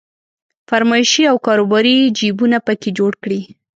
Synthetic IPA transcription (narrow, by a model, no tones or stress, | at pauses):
faɾmɑɪʃiawkɑɾobɑɾid͡ʒibunapəked͡ʒoɽkɽi